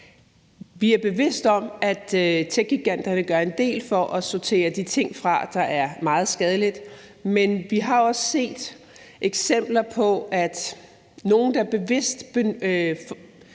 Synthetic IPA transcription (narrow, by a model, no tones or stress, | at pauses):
ʋiæɐb̥e̝ʋe̝sd̥ɒ̽mæ̥t͡sʰeɡ̥̚ɡiɡ̥æn̰d̥ɐnəɡ̥ɶɐe̝nd̥e̝̰ːlfɒ̽ʔɒ̽sɒt͡sʰe̝̰ːɐd̥it͡sʰe̝ŋ̰fʁɑ̈d̥ɑ̈ʔæɐmɑ̈ːð̞̩ˠsɡ̥ɛːð̞ˠəlid̥ | menʋiɦɑ̈oɒ̽sse̝̰ːd̥ | ʔeɡ̥sem̰b̥lɐpʰɒ̽æd̥ | no̝ːn̩d̥ɑ̈æɐb̥e̝ʋe̝sd̥b̥e